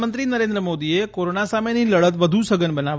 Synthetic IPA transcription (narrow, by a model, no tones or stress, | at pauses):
mənt̪ɾinəɾẽnd̪ɾəmod̪iekoɾonasameniləɭət̪ʋəd̪ʱusəɡənbənaʋ